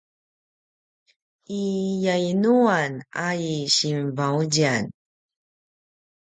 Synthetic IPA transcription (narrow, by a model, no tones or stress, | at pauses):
ijainuanaiɕinvauɟan